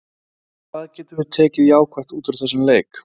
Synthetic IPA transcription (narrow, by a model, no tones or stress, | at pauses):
kʰv̥aːðcɛːt̪ɪɾvɪt̪ʰɛːcɪðjaːwkʰvɛr̥t̪uːt̪ʏɾθɛsːʏmleːjk